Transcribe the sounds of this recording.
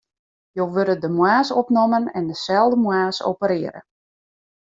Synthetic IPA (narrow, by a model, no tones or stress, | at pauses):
jowʋøɾədəmwaːsopnomənɛndəsɛlˠdəmwaːso̰wpəɾɪəɾə̰